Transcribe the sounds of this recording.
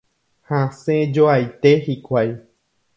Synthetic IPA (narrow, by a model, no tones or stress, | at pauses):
hasẽd͡ʒoajt̪ehikʷaj